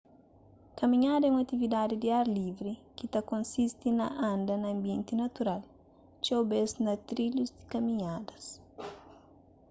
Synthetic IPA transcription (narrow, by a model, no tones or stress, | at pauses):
kɐmĩɲad̪ɐɛũɐt̪ivid̪ad̪id̪iaɾlivɾikit̪ɐkõnsist̪inɐʔãnd̪ɐnɐ̃ːmbjẽnt̪inɐt̪uɾal | t͡ʃowbeznɐt̪ɾiluzd̪i̥kɐmĩɲad̪ɐs